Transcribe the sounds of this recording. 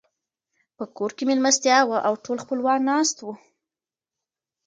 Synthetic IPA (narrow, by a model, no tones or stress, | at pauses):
pəkoɾkemelmast̪jɑwaʔawʈolxpəlwɑnɑst̪wu